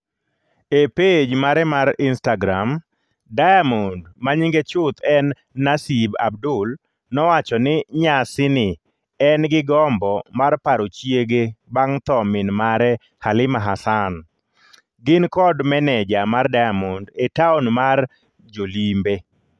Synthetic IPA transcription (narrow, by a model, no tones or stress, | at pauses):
eped͡ʒmaɾɛmaɾɪnstaɡɾam | dajamondmaɲiŋɡet͡ʃʊt̪ɛnː | asiba̰b̚dʊl | nɔwat͡ʃɔnɪɲasɪnɪ | ɛnɡɪɡɔmbɔmarpaɾot͡ʃjeɡebaŋt̪ɔmɪnmaɾɛ | halɪmaɦasan | ɡɪnkɔdmɛnɛd͡ʒamardajamondetaonmar | d͡ʒolimbe